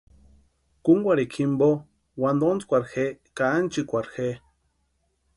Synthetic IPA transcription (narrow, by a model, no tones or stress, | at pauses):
kuŋɡʷaɾikʰimbo | wand̪ont͡skʷaɾxekaːnt͡ʃikʷaɾxe